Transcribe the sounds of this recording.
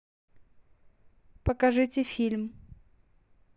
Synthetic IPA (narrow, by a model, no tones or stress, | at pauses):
pəkɐʐɨtʲɪfʲilʲm